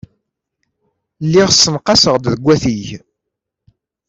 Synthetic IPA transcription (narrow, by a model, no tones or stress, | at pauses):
lːɪʁsːənqɑsəʁd̪ðəɡʷːæθiʝ